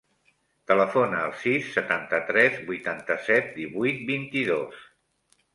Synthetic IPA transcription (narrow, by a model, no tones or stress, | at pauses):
t̪ələfonəːlˠsisːət̪ant̪ət̪ɾɛzbujt̪ant̪əsɛt̪̚d̪iβujt̪̚bint̪iðos